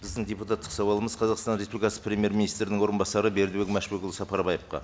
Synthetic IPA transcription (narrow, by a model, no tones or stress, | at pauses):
b̥ɪzd̪ɪŋd̪ʲeput̪ɑt̪ːə̥qsɑwɑlˠəməzqʰɑzɑqst̪ɑnɾe̞spub̪ikɑsə̥prʲe̞mje̞ɾmʲinijst̪ɾɪnɪŋwo̞ɾənbɑsɑɾəbe̞ɾd̪ɪbekmæʃbekʲɪlˠsɑpɑɾbɑjəp̚qɑ̰